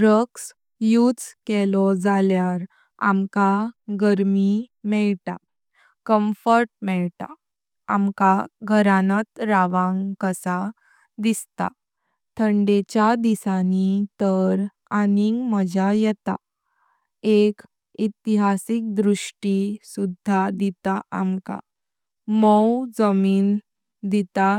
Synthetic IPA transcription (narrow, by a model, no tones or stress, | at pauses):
ɾəks | jut͡skɛlɔd͡zaljaɾ | a̰mkaɡəɾmimɛɭʈa̰ | kəmfəɾʈ̚mɛɭt̪a̰ | a̰mkaɡʱəɾanət̪ɾaʋãŋɡkəsa | d̪ist̪a̰ | t̪ʰəɳɖet͡ɕjad̪isanit̪əɾ | aniŋɡməd͡ʑajɛt̪a̰ | ek | it̪iɦasik̚d̪ɾuʂʈisud̪ʱːad̪it̪aʔamka̰ | mɔwd͡zəmiːn | d̪it̪a